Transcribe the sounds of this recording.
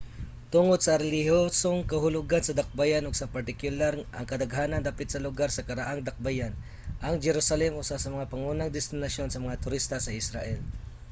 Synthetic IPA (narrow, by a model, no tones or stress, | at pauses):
t̪ʊŋod̪̚sɐɾɛlɪhosoŋkɐɦʊlʊɡansɐd̪ɐk̚bajanʊɡ̚sɐpɐɾt̪ɪkjʊlaɾʔɐ̰ŋkɐd̪ɐɡɦaːnɐnd̪aːpɪt̪sɐlʊɡaɾsɐkɐɾaʔaŋd̪ɐk̚bajan | ʔɐŋd͡ʒɛɾusɐlɛmʔʊsasɐmɐŋapɐŋunaŋd̪ɛst̪ɪnɐʃjo̞nsɐmɐŋat̪ʊɾist̪asɐɪsɾaʔɛl